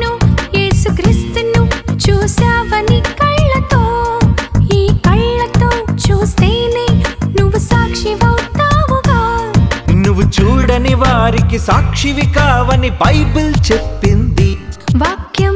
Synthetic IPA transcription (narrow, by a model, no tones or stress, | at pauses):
nujeːsukɾist̪unut͡ʃuːsaːʋɐnikɐɭːɐt̪oː | iːkɐɭːɐt̪oːt͡ʃuːst̪eːneːnuʋusaːkʂiʋɐwt̪aːʋuɡaː | nuʋut͡ʃuːɽɐniʋaːɾikisaːkʂiʋikaːʋɐnibɐjbult͡ʃepːind̪iʋaːkjɐm